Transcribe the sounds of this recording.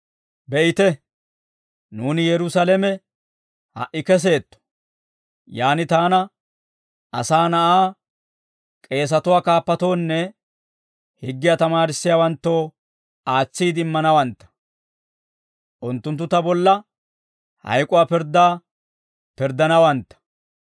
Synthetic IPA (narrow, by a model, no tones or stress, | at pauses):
bɛʔɪt̪ɛ | nuːnɪjɛɾʊsalɛmɛ | hɐ̰ʔɪkɛs̬e̞ːt̪ːɔ̥ | jaːnɪt̪aːnɐ | ʔɐ̰saːnɐʔaː | kʼe̞ːs̬ɐt̪ʊwaːkaːpːɐt̪o̞ːnːɛ | hɪɡːɪjat̪ɐmaːɾɪsːɪjawɐnt̪ːo̞ː | aːt͡sːiːd̪ɪmːɐnɐwɐnt̪ːɐ̥ | ʔʊnt̪ːʊnt̪ːʊt̪ɐbɔlːɐ | hɐ̰jkʼʊwaːpɪɾd̪aː | pɪɾd̪ɐnɐwɐnt̪ːɐ̥